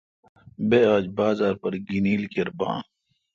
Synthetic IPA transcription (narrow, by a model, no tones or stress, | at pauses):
beːaːd͡ʒbaːzaːɾpɐɾɡiniːlkeɾbã̰ː